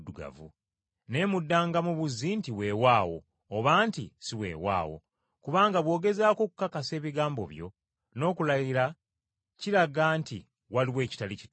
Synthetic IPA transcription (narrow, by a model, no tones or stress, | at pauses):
duɡa̰vṵ | ne̞mudːaːŋɡamuβuzːintiwe̞ːwaːwo̞ː | βaːntḭsiwe̞̰ːwa̰ːwo̞̰ | kuβaːŋɡaβwo̞ːɡe̞zaːko̞ːku̥kakase̞ːβiɡaːmbo̞̰βjo̞̰ | no̞ːkulajiɾa | ciɾaɡaːnti | waliwe̞ːci̥talici